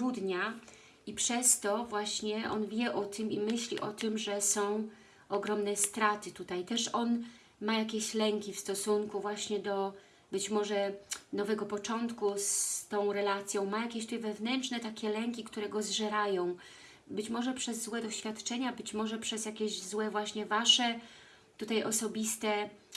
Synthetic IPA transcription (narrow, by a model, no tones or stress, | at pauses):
ɾud̪ɲa | ipʂɛst̪ɔvwaɕɲɛʔɔ̰nvʲjɛʔɔt̪ɘmimɘɕlʲḭʔɔt̪ɘmʐɛsɔ̃w̃ | ɔɡɾɔmnɛst̪ɾat̪ɘt̪ut̪ajt̪ɛʂɔn | majakʲeɕlɛŋkʲifst̪ɔsuŋkuvwaɕɲɛd̪ɔ | bɘt͡ɕmɔʐɛnɔvɛɡɔpɔt͡ʂɔnt̪kust̪ɔ̃w̃ɾɛlat̪sʲjɔ̃w̃majakʲeɕt̪ujvɛvnɛntt͡ʂnɛt̪akʲɛlɛŋkʲikt̪uɾɛɡɔzʐɛɾajɔ̃w̃ | bɘt͡ɕmɔʐɛpʂɛzːwɛd̪ɔɕfʲjat̪t͡ʂɛɲabɘt͡ɕmɔʐɛpʂɛzjakʲeʑzwɛvwaɕɲɛvaʂɛ | t̪ut̪ajɔsɔbʲist̪ɛ